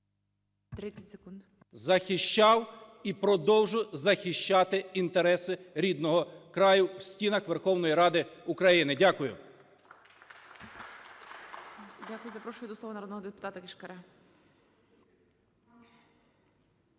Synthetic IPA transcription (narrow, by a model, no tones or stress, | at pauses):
tt̪ɾɪt͡sʲɐtʲsekund̪ | zɐxɪʃt͡ʃɑw | ipɾɔd̪ɔwʒʊjzɐxɪʃt͡ʃɑt̪ɪint̪eɾɛsɪɾʲid̪nɔɦɔkɾɑjʊwsʲtʲinɐxʋerxɔwnɔjiɾɑd̪ɪʊkɾɐjinɪdʲakʊjʊ̰ | dʲakʊjʊzɐpɾɔʃʊjʊd̪ɔslˠɔʋɐnɐɾɔd̪nɔɦɔd̪epʊ̥t̪ɑt̪ɐkʲɪʃkɐɾɛ